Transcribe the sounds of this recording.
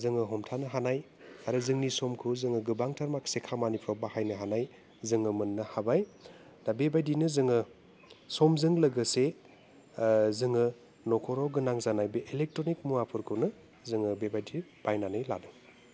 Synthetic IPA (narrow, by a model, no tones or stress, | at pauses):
zɯŋɯɦɔmtʰanɯɦanaj | aɾɯzɯŋnisɔmkʰɯzɯŋɯɡɯbaŋtʰaɾmaksekʰamanipʰɾɔbahajnɯɦanaj | zɯŋɯmɯnːɯhabaj | dabebajdinɯzɯŋɯ | sɔmzɯŋlɐɡɯse | zɯŋɯ | nɔkʰɔɾɔɡɯnaŋzanajbeʔelek̚tɾonik̚muapʰɯɾkʰɯnɯ | zɯŋɯbebajdib̥ajnanɯjla̰dɯ